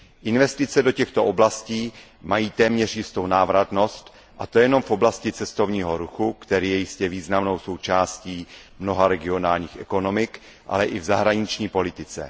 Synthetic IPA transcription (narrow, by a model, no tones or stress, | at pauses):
ʔɪnvɛst̪ɪt͡sɛdo̞cɛxt̪o̞ʔoblasciː | majiːt̪ɛːmɲɛr̝jɪst̪o̞wnaːvɾat̪no̞st̪ | ʔat̪o̞jɛno̞mfʔo̞blascɪt͡sɛst̪o̞vɲiːɦo̞ɾuxukt̪ɛɾiːjɛjɪscɛviːznamno̞wso̞wt͡ʃaːsciː | mno̞ɦaɾɛɡɪo̞naːlɲiːxʔɛko̞no̞mɪk | ʔa̰lɛʔɪvzaɦɾaɲɪt͡ʃɲiːpo̞lɪt̪ɪt͡sɛ̰